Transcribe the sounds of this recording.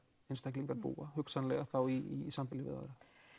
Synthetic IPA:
enst̪ʰahkliŋkaɾpṵːahʏksanlɛɣaθawiḭsampɪlɪvɪ̰ða̰ðɾa

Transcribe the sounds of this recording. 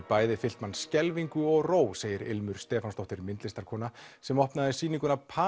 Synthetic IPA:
paːjðɪfɪl̥t̪manːscɛlviŋkʏɔɣroːwseːjɪɾɪ̰lmʏɾ̥st̪ɛːfanst̪ɔwht̪ɪɾmɪnt̪lɪst̪aɾkʰɔːnasɛmɔhpnaðɪsiːniŋkʏnapʰaː

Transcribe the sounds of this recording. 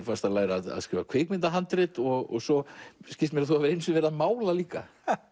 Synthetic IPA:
fast̪alaːjɾaða̰ðskɾɪːvakʰveːk̚mɪnt̪aɦant̪ɾɪt̪ɔɣɔ̰ɣsɔscɪlst̪mɛɾaðθuavɪɾejnsʏvɛɾðamaːwlaliːka̰

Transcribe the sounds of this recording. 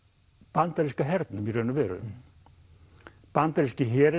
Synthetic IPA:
pant̪aɾiskaɦɛɾt̪namiɾœnʏvɛːɾʏ̰ | pant̪aɾiskɪɦɛːɾ

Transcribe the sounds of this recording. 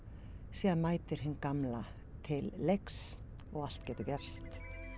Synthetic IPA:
siːðanmaːjt̪ɪɾ̥hɪnːkamla | t̪ʰɪlːeks | ɔɣal̥t̪cɛːt̪ʏcɛr̥st̪

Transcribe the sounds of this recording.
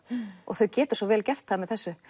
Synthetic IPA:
ɔ̰ɣθœɥcɛːt̪ʏ̥sɔvɛːlcɛft̪θaðmɛðθɛsːʏ

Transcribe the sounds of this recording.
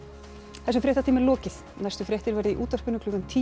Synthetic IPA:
θɛs̬ʏfɾɛht̪at̪ʰiːmɪlɔːcɪθ | najst̪ʏfɾɛht̪ɪɾvɛɾðɪiʔuːt̪aspʏnʏkʰlʏːɣʏnt̪ʰiː

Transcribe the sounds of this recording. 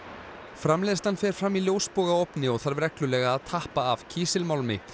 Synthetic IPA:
fɾamleːðst̪anfɛɾ̥fɾamːiljoːwspoːɣaowpnɪɔɣθaɾvɾɛklʏlɛːɣaːðt̪ʰahpaːv̥cʰiːsɪlmawlmɪ̰

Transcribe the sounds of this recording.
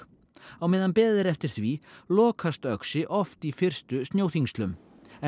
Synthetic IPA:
awmɪðːanpɛːðɪɾɛft̪ɪɾ̥θvilɔːkʰast̪œksɪʔɔft̪ifɪr̥st̪ʏst̪njoːwθiŋst̪lʏm | ɛ

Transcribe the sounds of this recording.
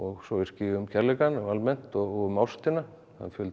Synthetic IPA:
ɔɣsɔvɪɾ̥scɪːʏmcʰɛɾlɛkanalmɛn̥t̪ɔɣɔɣʏmːawst̪ɪna | θa̰ðfʏlt

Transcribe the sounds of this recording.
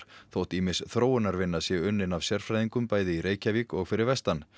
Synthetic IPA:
θowht̪imɪsθɾoːwʏnaɾvɪnːasjɛɣʏnːɪnavsjɛɾ̥fɾajðiŋkʏmpaːjðɪiɾeːjcavikɔɣfɪɾɪɾvɛst̪an

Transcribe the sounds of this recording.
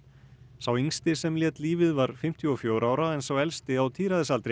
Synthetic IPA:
sawiŋst̪ɪsɛmljɛːt̪liːvɪðvaɾ̥fɪm̥t̪ʰjʏɔfjoːwɾaːwɾaɛnsɔwɛlst̪ɪawt̪ʰiːɾaðɪsalt̪ɾe

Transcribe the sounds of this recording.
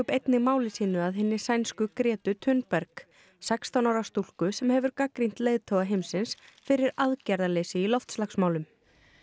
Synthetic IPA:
pejt̪nɪmaːwlɪsiːnʏaðɦɪnːɪsajnskʏkɾɛːt̪ʏt̪ʰʏnpɛɾk | sɛkst̪awnawɾast̪ul̥kʏsɛmhɛvʏɾkakɾin̥t̪leːjðt̪ʰoːwɣaɦejmsɪnsfɪɾɪɾaðcaɾðaleːjsɪilɔft̪slaksmaːwlʏm

